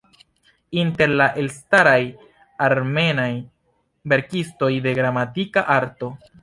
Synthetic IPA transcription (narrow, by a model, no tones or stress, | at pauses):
inte̞ɾlaʔe̞lstaɾaj | aɾme̞naj | be̞ɾkisto̞jde̞ɡɾamatikaʔaɾto̞